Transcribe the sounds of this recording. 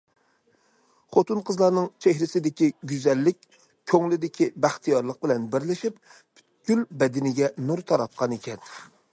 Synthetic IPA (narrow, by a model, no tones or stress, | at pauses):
χot̪unqʰəzlˠɑɾnɨŋt͡ʃʰehɾɪsɪd̪ɪkʲiɡʲyzɛlːɪkʲ | kʲʰøŋlɪd̪ɪkʲʰibæχt̪ʰijɑɾlˠəq̚bɪlɛnbɪɾlɪʃip | pʰy̥t̪̚ɡ̥ʲylbɛd̪ɪnɪɡʲɛnuɾt̪ʰɑɾɑt̪̚qʰɑnekʲɛn